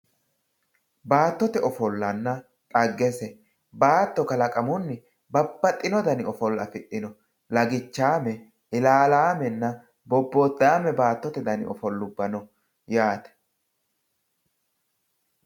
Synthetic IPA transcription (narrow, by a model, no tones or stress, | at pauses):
baːt̪ːɔt̪ɛʔɔfɔlːɐnːɐ | kʼɐɡːɛsɛ | baːt̪ːɔkɐlɐkʼɐmʊnːɪ | bɐbːɐt̪ʼːɪnɔd̪ɐnɪɔfɔlːɐfɪʔːɪnɔ | lɐɡɪt͡ʃːaːmɛ | ɪlaːlaːmɛnːɐ | bɔbːoːd̪aːmɛbaːt̪ːɔt̪ɛd̪ɐnɪ̰ʔɔfɔlːʊbːɐnɔ | jaːt̪ɛ̥